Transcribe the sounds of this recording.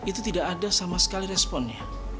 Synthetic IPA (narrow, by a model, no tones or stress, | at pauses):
it̪ut̪idaʔadasamasə̥kaliɾɛspɔnɲa